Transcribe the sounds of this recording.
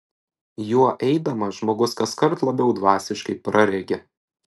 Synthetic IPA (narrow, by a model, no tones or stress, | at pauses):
juɔʔɛɪd̪ɐmɐʒmoːɡʊskɐskɐɾt̪lˠɐbʲɛʊd̪ʋɑːsʲɪʃkɐɪpɾɐɾʲɛɡʲɛ